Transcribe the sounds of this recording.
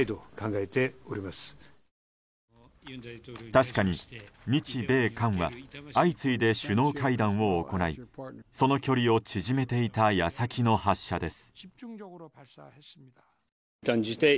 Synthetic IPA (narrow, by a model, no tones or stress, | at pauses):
id̪okãŋɡaet̪e̞oɾʲimasɨ̥ | t̪aɕi̥kaɲ̟imʲit͡ɕibe̞ːkãɰ̃βaait͡sɨid̪e̞ɕɨno̞ːkaid̪ãɰ̃o̞ːko̞naḭso̞no̞kʲo̞ɾʲio̞t͡ɕiʑime̞t̪e̞it̪ajasakʲino̞haɕːad̪e̞sɨ̥ | t̪ait̪